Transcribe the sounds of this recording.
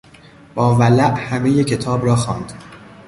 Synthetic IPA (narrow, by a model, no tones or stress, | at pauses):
b̥ɒːvælæʔhæmejecʰe̞t̪ʰɒːbrɒːxɒːnd̪̥